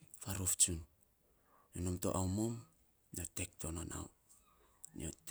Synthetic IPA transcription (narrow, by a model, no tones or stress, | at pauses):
faɾoft͡ʃun | jonomto̰ʔawmom | niotektonona̰w | nḭot